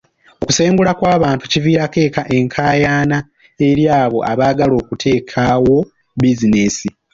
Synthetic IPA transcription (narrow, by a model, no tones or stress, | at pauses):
oku̥se̞ːŋɡulakwaːβaːntuciviːɾake̞ːkaʔe̞ŋkʰaːjaːna | e̞ɾjaːβo̞̰ʔa̰βaːɡalo̞ːkutʰe̞ːkʰawo̞ | bizine̞si